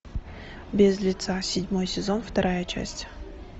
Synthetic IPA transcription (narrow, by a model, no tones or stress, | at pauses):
bʲɪzlʲɪt̪sasʲɪdʲmo̞jsʲɪzo̞nft̪ɐɾʔajət͡ɕæ̰sʲtʲ